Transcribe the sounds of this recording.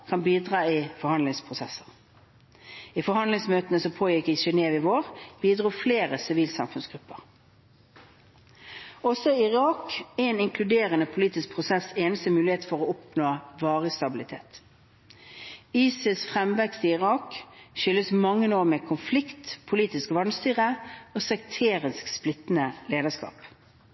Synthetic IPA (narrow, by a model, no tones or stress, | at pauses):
kʰɑnbiːd̪ʁɑːiːfɔɾhɑnd̪lɪŋspʰʁʊsɛsəʁ | iːfɔhɑnd̪lɪŋsmøːt̪ənəsɔpʰoːjɪkɪʃɛneːʋɪʋoːʁb̥iːd̪ʁuːfleːʁəsɪʋiːlsɑ̰mfʉnsɡ̥ʁʉpːəʁ | ɔsɔɪʁɑːkɛnɪŋkʰlʉd̪eːʁənəpʰʊliːt̪ɪsk̚pʰʁʊsɛseːnəst̪əmʉːlɪheːt̪fɔʁɔʊpnoːʋɑːʁəst̪ɑbɪlɪt̪ʰḛːt̪ | iːsɪsfʁɛmʋɛkst̪əɪʁɑːkʃʏlːəsmɑŋːənoːmekʰʊnflɪkt̪pʰʊliːt̪ɪskʋɑnst̪yːʁəoːsɛk̚t̪ʰeːʁɪnsksplɪt̪nəleːd̪əʂkɑ̰ːp